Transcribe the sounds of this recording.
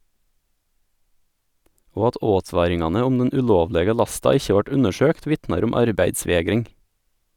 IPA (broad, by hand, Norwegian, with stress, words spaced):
ˈoː ˈɑt ˈoːˌtʋɑːɾɪŋɑnə ˈʊm ˈdɛn ʉˈʎoːʋˌʎeːɡə ˈʎɑstɑ ˈɪçə ˈʋɑʈ ˈʉnəˌʃøːkt ˈʋɪtnɑɾ ˈʊm ˈɑɾbæɪdˌsʋeːɡɾɪŋ